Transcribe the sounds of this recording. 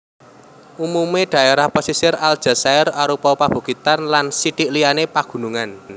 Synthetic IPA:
ʔumumeɖ̥ä̤ʔeɾahposisɪrald̥ʒ̥a̤saɪraɾupɔpab̥ṳɡ̥it̪anlansiʈiʔlijanepaɡ̥ṳnuŋan

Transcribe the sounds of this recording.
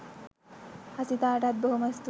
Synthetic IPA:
hɐsit̪aːʈat̪̚bəɦumɐst̪

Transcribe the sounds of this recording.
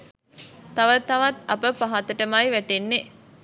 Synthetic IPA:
t̪aʋət̪ɐʋat̪ɐpəpaɦat̪əʈəmajʋæʈenːe

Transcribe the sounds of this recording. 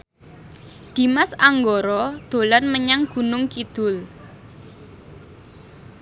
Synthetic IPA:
d̪̥i̤masaŋɡɔɾɔd̪̥o̤lanməɲaŋɡ̥ṳnʊŋkid̪̥ʊ̤l

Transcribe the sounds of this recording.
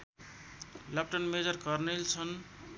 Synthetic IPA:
lʌp̚ʈʌnmed͡zʌrkʌrnelt͡sʰʌn

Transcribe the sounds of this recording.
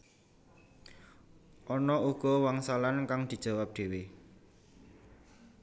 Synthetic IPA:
ʔɔnɔuɡ̥ɔwaŋsalankaŋd̪̥i̤d̥ʒ̥a̤wap̚d̪̥e̤we

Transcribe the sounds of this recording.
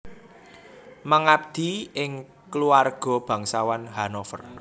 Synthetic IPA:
maŋap̚d̪̥i̤ɪŋ | kluarɡ̥ɔ̤b̥ä̤ŋsawanɦanofər

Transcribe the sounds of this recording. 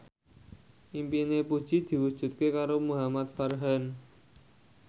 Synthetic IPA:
ʔimpinepud̥ʒ̥i̤d̪̥i̤wud̥ʒ̥ṳt̪̚kekaɾomuɦamat̪̚farɦan

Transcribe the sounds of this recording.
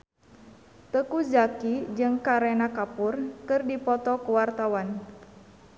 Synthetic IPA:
t̪əkuzakid͡ʒɨŋkaɾɛnakapurkɨrdipɔt̪ɔkuwart̪awan

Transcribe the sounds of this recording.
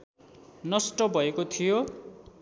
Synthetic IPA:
nʌsʈʌbʱʌekot̪ʰijo

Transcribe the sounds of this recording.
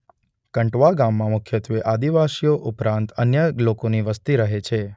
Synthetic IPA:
kəɳʈʋaɡamːãmʊkʰjət̪ʋeʔad̪iʋasijoʔʊpɾãnt̪ənjəlokoniʋəst̪iɾəɦet͡ʃʰe

